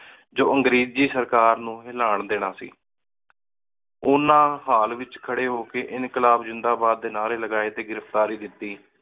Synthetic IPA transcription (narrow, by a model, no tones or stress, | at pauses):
d͡ʒoːʔəŋɡɾiːd͡ʒiːsəɾkaːɾnũːɦɪlaːɳd̪eːnãːsḭː | ʊnãːɦaːlʋɪt͡ʃkʰəɽeːɦoːkeːʔɪnkəlaːbd͡ʒɪnd̪aːbaːd̪̚ːeːnaːɾeːləɡaːeːt̪eːɡɪɾəft̪aːɾiːd̪ɪt̪ːiː